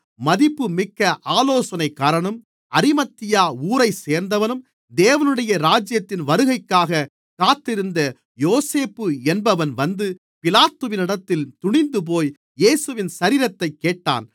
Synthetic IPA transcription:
mɐðɪpːɯmɪkːɐʔaːloːsɐnɐɪkːaːɾɐɳɐm | ɐɾɪmɐt̪ːɪjaːuːɾɐɪseːɾnd̪ɐʋɐnɯm | d̪eːʋɐnɯɽɐjɐɾaːd͡ʒjɐt̪ːɪnʋɐɾɯɣɐɪkːaːɣɐ | kaːt̪ːɪɾɯnd̪ɐ | joːseːpːɯɛnbɐʋɐnʋɐnd̪ɯ | pɪlaːt̪ːɯʋɪnɪɽɐt̪ːɪlt̪ʊɳɪnd̪ɯp̬oːj | jeːsɯʋɪnsɐɾiːɾɐt̪ːɐɪkːeːʈːa̰ːn

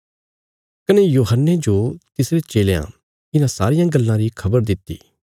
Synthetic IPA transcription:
kɐnejoːɦənːed͡ʒot̪ɪsɾet͡ʃeːleã̰ | kɪnãsa̰ːɾɪjãɡɐlːãɾikʰɐbəɾd̪ɪt̪ːḭː

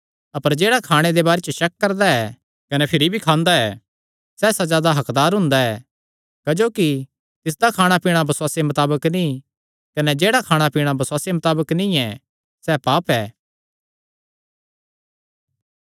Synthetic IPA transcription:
ɐpəɾd͡ʒeːɽakʰaːɽ̃ed̪ebaːɾet͡ʃʃɐk̚ːɐɾd̪aɛ | kɐnɛpʰɪɾibʱikʰãːnd̪aɛː | sɛsɐzjaːd̪aɦɐkd̪aːɾɦʊ̃nd̪aɛ | kɐd͡ʒoːki | t̪ɪs̬d̪akʰaːɽ̃apiːɽ̃abɐsʊwaːsemɐt̪aːbəknĩ | kɐnɛd͡ʒeːɽakʰaːɽ̃apiːɽ̃abɐswaːsemɐt̪aːbəknĩɛ | sɛpaːpɛː

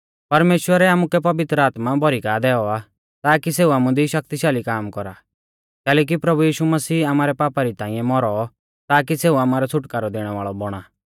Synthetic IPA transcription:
pɐɾmeːʃwəɾɛaːmukɛpɐʋɪt̪ɾəaːt̪mabɔɾikaːd̪ɛːɔa | t̪aːkiseːuaːmud̪iʃɐk̚t̪iʃaːlikaːmkɔɾa | k̪ɛːlɛːk̬ipɾɐbujiːʃumɐsiːamaːɾɛpaːpaɾit̪ãːĩɛ̃mɔɾɔ | t̪aːk̬iseːuaːmaːɾɛt͡sʰʊʈkaːɾɔd̪eːɽ̃ɛʋa̰ːɭɔbɔɽ̃aː

